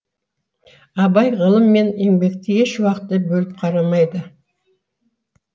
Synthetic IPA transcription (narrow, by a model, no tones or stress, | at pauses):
ɑbɑjʁəlˠəmːe̞ne̞ŋbe̞kt̪ɪeʃwɑqət̪ːəbɵlɪp̚qʰɑɾɑmɑjd̪ə